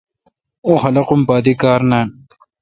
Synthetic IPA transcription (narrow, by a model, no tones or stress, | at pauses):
oːxɐlɐqumpaːd̪ikaːɾnaːn